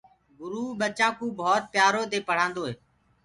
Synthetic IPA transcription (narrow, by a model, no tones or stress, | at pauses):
ɡʊɾuːɓət͡ʃãːkũːbʱɔːt̪̚pjaːɾoːd̪eːpəɽ̤ãːnd̪oːɦeː